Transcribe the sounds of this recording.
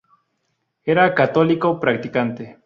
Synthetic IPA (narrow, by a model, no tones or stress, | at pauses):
eɾakat̪olikopɾak̚t̪ikant̪e